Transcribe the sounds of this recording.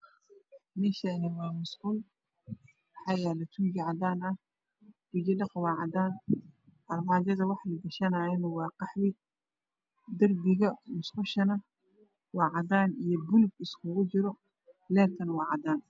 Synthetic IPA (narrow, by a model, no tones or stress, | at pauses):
mɪʃanɪwaːmʊsqʊl | ħajaːlɐt̪ʰud͡ʒɪʕɑd̪aːnɐh | b̥ɪd͡ʒɪlɪqwɑːʕɑd̪aːn | ɐlmɑd͡ʒɐzɐwɑħlɪɡɐʃɐnaɪnwɑːqɑħwɪ | d̪ɐrbɪɣɐmʊsqʊʃɐnɐ | wɑːʕɑd̪aːnijɔbʊlɡɪskʰʊɣʊd͡ʒɪɾɔ | laːkʰɪnwɑʕɑd̪aːn